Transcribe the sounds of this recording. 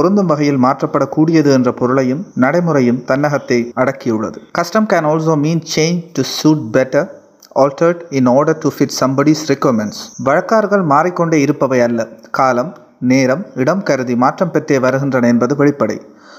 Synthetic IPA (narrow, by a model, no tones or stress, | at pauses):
pɔɾɯnd̪ɯmʋɐɣɐjɪlmaːʈrɐpːɐɽɐkːuːɽɪjɐðɯɛndrɐpɔɾɯɭɐjɯmnɐɽɐɪmɯrɐjɯmt̪ɐnːɐɣɐt̪ːɐɪɐɽɐkːɪjɯɭːɐ̰ðɯkɐsʈɐmkænɔːls̬oːmiːnt͡ʃẽːnd͡ʒʈusuːʈ̚bɛʈɐɾ | ɔːlʈɐɾʈɪnɔːɾɖɐɾʈufɪʈsɐmbɐɽisɾɪkoːmɛnsʋɐɻɐkːaːɾɣɐɭmaːrɪkːɔɳɖeːɪɾɯpːɐʋɐɪɐlːɐkaːlɐm | neːɾɐmɪɽɐmkɐɾɯðimaːʈrɐmpɛʈreːʋɐɾɯɣɪndrɐnɐɛnbɐðɯʋɛɭɪpːɐɽɐ̰ɪ